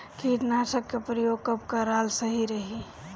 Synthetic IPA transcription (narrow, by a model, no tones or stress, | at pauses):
kiʈnaʈəkːepɾəjoɡkəbkaɾalsəɦiɾəɦi